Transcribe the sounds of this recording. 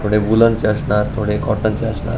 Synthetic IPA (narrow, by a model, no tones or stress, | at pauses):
t̪ʰoɽebulant͡ɕaʃnaɾt̪ʰoɽekɔʈant͡ɕaʃna̰